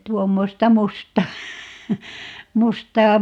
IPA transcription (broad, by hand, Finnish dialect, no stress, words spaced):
tuomːostɑ mustɑː mustɑː